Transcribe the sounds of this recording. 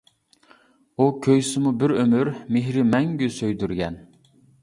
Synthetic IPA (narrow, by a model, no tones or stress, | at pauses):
ukʲʰøjsɪmubɪɾømyɾmeɦɾɪmɛŋɡʲysøjd̪yɾɡʲɛn